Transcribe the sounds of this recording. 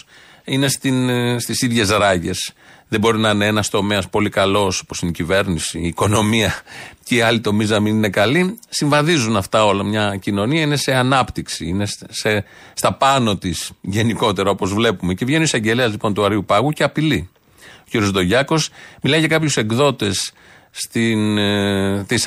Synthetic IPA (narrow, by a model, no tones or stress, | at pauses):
ine̞st̪inst̪isiðʝe̞zɾɐʝe̞̰sðebo̞ɾinɐineenɐst̪o̞me̞ɐspo̞likɐlo̞so̥po̞sineicive̞ɾnisiːko̞no̞miɐceiɐlit̪o̞miznɐminine̞kɐlisiɱvɐðizunɐft̪ɐo̞lɐmɲɐcino̞niɐine̞se̞ɐnɐpt̪iksiinesse | st̪ɐpɐno̞t̪isʝe̞niko̞t̪e̞ɾɐo̞po̞zvle̞pume̞ce̞vʝe̞nuisɐɲɟe̞leɐzlipo̞nt̪uɐɾiupɐɣuce̞ɐpili | o̥ciɾio̞zðo̞ʝɐko̞smilɐiʝɐkɐpçuse̞ɡðo̞t̪e̞sː | t̪in | t̪is